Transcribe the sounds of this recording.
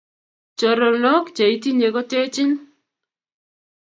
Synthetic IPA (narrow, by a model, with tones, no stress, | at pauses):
t͡ʃo˨ɾo˨no˦kt͡ʃa˨i˦ti˦ɲe˨ko˦te˦t͡ʃɪ˦n